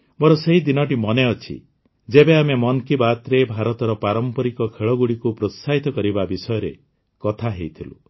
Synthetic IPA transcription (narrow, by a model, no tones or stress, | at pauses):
bɔɾɔseɦid̪inɔʈimɔneɔt͡ʃʰḭ | d͡ʒebeamemɔnkibat̪ɾebʱaɾɔt̪ɔɾɔpaɾɔmpɔɾikɔkʰeɭɔɡuɽikupɾot̪saɦit̪ɔkɔɾibabisɔjɔɾe | kɔt̪ʰaɦejt̪ʰilṵ